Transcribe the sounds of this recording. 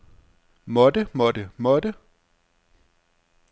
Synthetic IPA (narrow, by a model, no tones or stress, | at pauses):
mɔd̥əmɔdəmɔd̥ə